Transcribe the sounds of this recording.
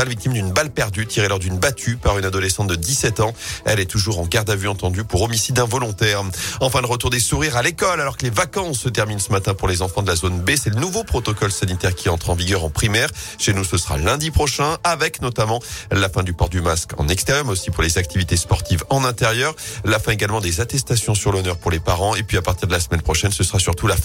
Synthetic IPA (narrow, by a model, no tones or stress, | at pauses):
alvik̚t̪imd̪ynbalpɛʁd̪yt̪ʰiʁelɔʁd̪ynbat̪ʰypaʁynad̪ɔlɛsɑ̃t̪̚d̪əd̪isɛt̪ɑ̃ɛ̰lɛt̪uʒuʁɑ̃ɡaʁd̪avyɑ̃t̪ɑ̃d̪ypuʁɔmisid̪ɛ̃vɔlɔ̃t̪ɛːʁɑ̃fɛ̃ləʁət̪uʁd̪esuʁiʁalekɔlalɔʁkəlevakɑ̃sːət̪ɛʁminsəmat̪ɛ̃puʁlezɑ̃fɑ̃d̪əlazonbesɛlənuvopχɔt̪ɔkɔlsanit̪ɛʁkʲiɑ̃t̪χɑ̃viɡʲœʁɑ̃pχimɛːʁʃenusəsəʁa̰lɛ̃d̪ipχɔʃɛ̃avɛknɔt̪amɑ̃lafɛ̃d̪ypɔʁd̪ymaskɑ̰̃nɛkst̪ɛʁjœʁmɛzosipuʁlezak̚t̪ʰivit̪espɔʁt̪ivɑ̃nɛ̃t̪ɛʁjœʁlafɛ̃eɡalmɑ̃d̪ezat̪ɛst̪asjɔ̃syʁlɔnœʁpuʁlepaʁɑ̃epɥiapaʁt̪iʁd̪əlasəmɛnpχɔʃɛnsəsəʁasyʁt̪ulaf